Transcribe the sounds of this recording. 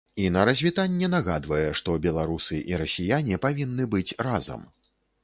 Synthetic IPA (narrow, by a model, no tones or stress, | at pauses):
inɐɾɐzʲvʲit̪anʲːɛnaɣa̰d̪vɐjɛʂt̪ɔbʲɛlˠaɾusɨʔiɾɐsʲijanʲipavʲinːɨbɨt͡sʲrazɐ̰m